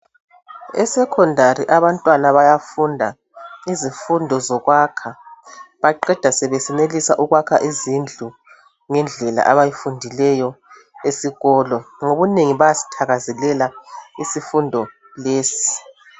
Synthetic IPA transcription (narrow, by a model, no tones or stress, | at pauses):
ɛ̰sɛkʰɔndʱariʔaβantʼwanaβajafundʱa | izifundʱɔzɔɣwakʰaβaǃɛd̥ʱasɛβesɛnelisaʔuɣwakʰaʔizind͡ɮʱu | ŋɛnd͡ɮʱɛla̰ʔaβajifundʱilɛjɔ | esiɣɔːlɔŋoβuneŋiβajasi̥tʰaɣazɛlɛlaisifundʱɔ | leːsi̥